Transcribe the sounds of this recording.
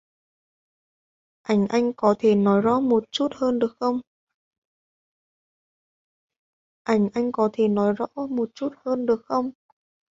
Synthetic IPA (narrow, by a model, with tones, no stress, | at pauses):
ʔa˧˩jŋ̟ʔa˧jŋ̟kɔ˨˦t̪ʰe˧˩nɔ˨˦jzɔ̰˧˥mo˨˩t̚t͡ɕu˦˥t̚həː˧nɗɨ˨˩ək̚xə˧wŋ͡m | ʔa˧˩jŋ̟ʔa˧jŋ̟kɔ˨˦t̪ʰe˧˩nɔ˨˦jzɔ̰˧˥mo˨˩t̚t͡ɕu˦˥t̚həː˧nɗɨ˨˩ək̚xə˧wŋ͡m